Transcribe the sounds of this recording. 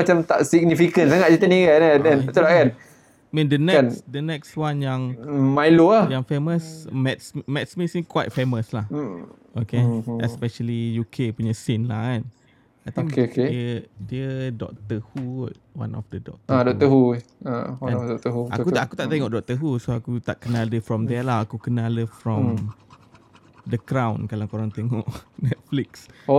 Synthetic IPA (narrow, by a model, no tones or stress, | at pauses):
at͡ʃamt̪aʔsiɡ̚nifikənsaŋat̪̚t͡ʃit̪əniɡanadɛ̃nt̪ulakan | mĩndənɛnsdənɛkswanjaŋmajloajaŋfeməsmɛt̪smmɛt̪̚smisnikwa̰t̪̚feməslah | okeɛ̰spɛʃəlijukʰepuɲasɪnlahkan | ajt̪aiədiədɔ̰k̚t̪əhut̪̚ | wã̰nʔɔ̰fdədɔ̰k̚t̪əadɔk̚t̪əɦu | awaɛ̃nɔdɔkt̪əɦuʔa̰kuaakut̪aʔt̪ɛŋɔʔdɔk̚t̪əɦusoakut̪aʔkənaldəfɾɔmd̪ɛlaakukənaləfɹɔ̃m | d̪əkɾãwnkalakoɾaŋt̪ɛŋɔʔnɛt̪̚flikso